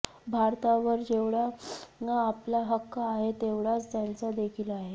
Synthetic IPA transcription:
bʱaɾt̪aʋəɾd͡ʑeʋɽanaːplaɦəkːəːɦet̪eʋɽat͡st̪jant͡sad̪ekʰiːlaɦe

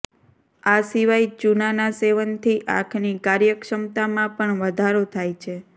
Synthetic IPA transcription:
asiʋajt͡ʃunanaseʋənt̪ʰiʔa̰kʰnikaɾjəkʃəmt̪amãpəɳʋəd̪ʱaɾot̪ʰajt͡ʃʰe

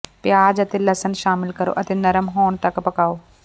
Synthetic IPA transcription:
pjaːd͡ʒɐt̪elɐsənʃaːmɪlkɐɾo̰ːʔɐt̪enɐɾəmɦoːɳt̪ɐkpɐkaːoː

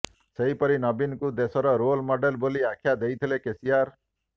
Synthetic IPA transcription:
seɦipɔɾinɔbinkud̪esɔɾɔɾolmɔɖelboliakʰjad̪ejt̪ʰilekesiaɾ

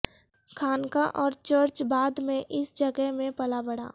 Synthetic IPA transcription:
kʰaːnkaʔɔːɾt͡ʃəɾt͡ʃbaːd̪mẽʔɪsd͡ʒəɡəɦmẽpɐlabəɽa̰ː

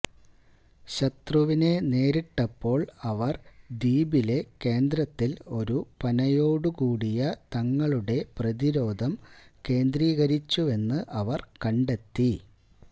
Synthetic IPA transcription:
ɕɐt̪ruʋine̞ne̞ːɾiʈːɐpːo̞ːɭɐʋɐrd̪iːbile̞ke̞ːnd̪ɾɐt̪ːilo̞ɾupɐnɐjo̞ːɽukuːɽijɐt̪ɐŋːɐɭuɽe̞prɐðiɾo̞ːd̪ʱɐmke̞ːnd̪riːɣɐɾit͡ɕːue̞nːɨʔɐʋɐrkɐɳɖe̞t̪ːi

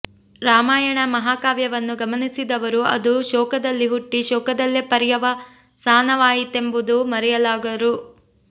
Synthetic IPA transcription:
ɾaːmaːjɐɳɐmɐɦaːkaːʋjɐʋɐnːuɡɐmɐnisid̪ɐʋɐɾuɐ̰d̪uʃɔːkɐd̪ɐlːiɦuʈːiʃɔːkɐd̪ɐlːepɐɾjɐʋɐ | saːnɐʋaːjit̪e̞mbud̪umɐɾɛjɐlaːɡɐɾu

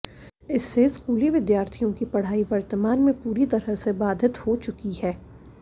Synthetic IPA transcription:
ɪsːeskuːliʋɪd̪jaːɾt̪ʰijõkipɐɽ̤aːiʋɐɾt̪əmaːnmẽpuːɾit̪ɐɾəɦsebaːd̪ʱɪt̪hot͡ʃʊkihɛː

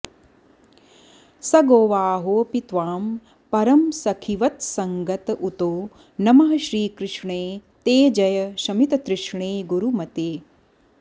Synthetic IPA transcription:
sɐɡoːʋaːɦoːpit̪ʋaːm | pɐɾɐmsɐkʰiʋɐt̪sɐŋɡɐt̪ut̪oː | nɐmɐɦɐʃɾiːkɾɪʂɳeːt̪eːd͡ʒɐjɐʃɐmit̪ɐt̪ɾɪʂɳeːɡuɾumɐt̪eː

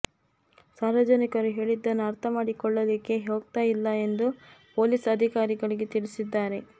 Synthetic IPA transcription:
saːɾʋɐd͡ʒɐnikɐɾuɦe̞ːɭid̪ːɐnːuɐɾt̪ʰɐmaːɽikɔɭːɐd̪ikːe̞ɦoːɡ̚t̪aːjilːɐe̞nd̪upo̞ːlisɐd̪ʱikaːɾiɡɐɭiɡe̞t̪iɭisid̪ːaːɾe̞

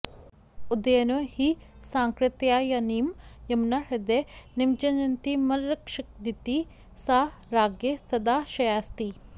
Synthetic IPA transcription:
ud̪ɐjɐnɐhisaːŋkɾɪt̪jaːjɐniːmjɐmnaɾɐd̪enimt͡ʃɐnɐnt̪imɐlɾɐkʃɐk̚d̪it̪i | saːɾaːɡjesɐd̪aːʃɐjaːst̪i

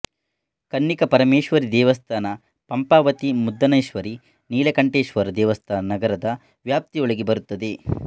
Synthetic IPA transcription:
kɐnːikɐpɐɾɐmeːʃʋɐɾid̪ɛːʋɐst̪ʰaːnɐ | pɐmpaːʋɐt̪imud̪ːɐnɐjʃʋɐɾi | niːlekɐɳʈeːʃʋɐɾd̪ɛːʋɐst̪ʰaːnɐnɐɡɐɾɐd̪ɐ | ʋjaːp̚t̪iɔɭɐɡebɐɾut̪ːɐd̪e

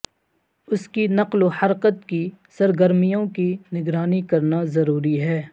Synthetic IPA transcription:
ʊskinɐqlohɐɾqət̪kisɐɾɡəɾmijõkinɪɡɾaːnikɐɾnazɐɾuːɾiɦɛː

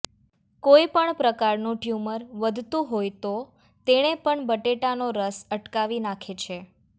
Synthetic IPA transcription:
koipəɳpɾəkaɾnũʈjuməɾʋəd̪ʱt̪ũɦojt̪o | t̪eɽ̃epəɳbəʈeʈanoɾəsəʈkaʋinakʰet͡ʃʰe

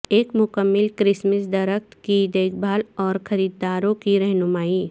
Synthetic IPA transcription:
eːkmʊkəmːɪlkɾɪsməsd̪ɐɾəkt̪kid̪eːkʰbʱaːlɔːɾxɐɾiːd̪ːaːɾõkiɾɛɦnʊmaːi

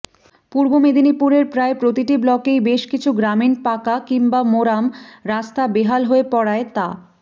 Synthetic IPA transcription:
puɾbomed̪ʱinipuɾeɾpɾaepɾot̪iʈiblɔkejbeʃkit͡ɕʰuɡɾaminpakakiŋbamoɾamɾast̪ʰabeɦalɦoepɔɽaet̪a

